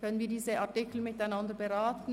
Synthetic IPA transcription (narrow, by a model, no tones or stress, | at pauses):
kœnənviːɐdiːzəʔaɐtɪkl̩mɪtaɪnɑndəɐbəʁaːtn̩